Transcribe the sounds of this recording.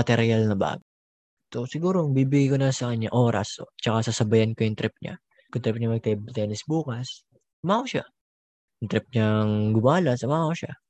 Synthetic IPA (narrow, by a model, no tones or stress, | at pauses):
ɐt̪ɛɾjalnɐba̰ːɡo | sosɪɡuːɾoŋbiːbɪɡajkonɐsɐkɐɲɲaʔo̞ːɾɐ̰sot͡ʃɐkasɐsɐbɐjɐnkojʊŋt̪ɾɪp̚ɲa̰ | kʊŋt̪ɾɪp̚ɲamɐɡ̚t̪ɐbt̪ɛːnɪsbuːkɐs | ʊmaːkoʃa | jʊŋt̪ɾɪp̚ɲaŋɡʊmaːlɐsɐmaːkoʃa̰